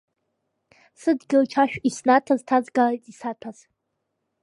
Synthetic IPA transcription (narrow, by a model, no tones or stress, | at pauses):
sɨdɡʲɪlt͡ʃʰaʃᶣisnatʰaztʰazɡalajtʼisatʰaz̥